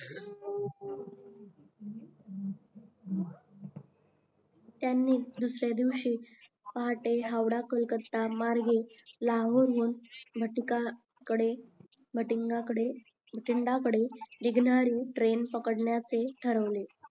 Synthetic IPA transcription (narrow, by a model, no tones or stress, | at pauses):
t̪janːiːd̪usɾjad̪iʋɕiː | paɦaʈeɦawɽakəlkəɾt̪amaɾɡelaɦoɾʋonbʱəʈka | kəɽe | bʱəʈiŋɡakəɽe | bʱəʈiɳɖakəɽed̪iɡnaɾuːʈɾenpəkəɽɳjat͡seʈʰəɾəʋle